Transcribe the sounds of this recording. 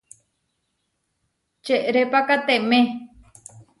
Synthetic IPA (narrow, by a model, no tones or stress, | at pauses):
t͡ʃeʔɾepakat̪emẽ